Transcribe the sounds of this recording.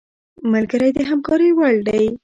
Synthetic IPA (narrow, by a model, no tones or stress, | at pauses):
malɡəɾajd̪əɦamkɑɾəwaɭd̪aj